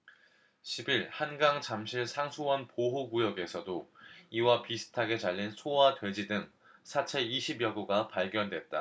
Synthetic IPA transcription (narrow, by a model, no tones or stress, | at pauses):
ɕʰibiɾhanɡaŋt͡ɕamɕʰiɭsʰaŋsʰuwʌnpoɦoɡujʌɡe̞sʰʌdoiwapisʰɯ̥tʰaɡe̞t͡ɕaʎːinsʰowadwe̞d͡ʑidɯŋ | sʰat͡ɕʰe̞iɕʰibjʌɡuɡapaɭɡjʌndwe̞t̚t͈a̰